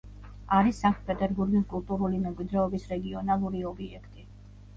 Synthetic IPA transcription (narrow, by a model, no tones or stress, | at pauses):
aɾisaŋkt̪̚ʰpʼɛt̪ʼɛɾbuɾɡiskʼulˠt̪ʼuɾulimɛmkʼwid̪ɾɛɔbisɾɛɡiɔnalˠuɾiɔbiɛkʰt̪ʼi